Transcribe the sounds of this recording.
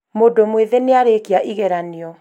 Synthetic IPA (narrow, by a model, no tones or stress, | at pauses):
modomweðeneaɾekiaʔiɣɛɾaniɔ